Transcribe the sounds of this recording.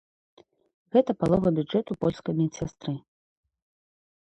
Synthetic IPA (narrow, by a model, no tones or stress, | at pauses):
ɣɛt̪ɐpalˠɔvɐbʲuʐɛt̪upɔlʲskɐmʲisʲast̪ɾɨ